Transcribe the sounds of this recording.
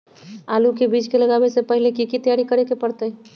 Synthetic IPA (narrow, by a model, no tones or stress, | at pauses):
alukebid͡ʒkeləɡabesepəɦilekikit̪əjaɾikəɾekepəɾt̪əj